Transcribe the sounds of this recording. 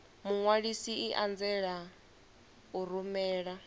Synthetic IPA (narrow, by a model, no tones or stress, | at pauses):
muŋwaɺisiiʔand͡zɛɺa | uɾumɛːɺa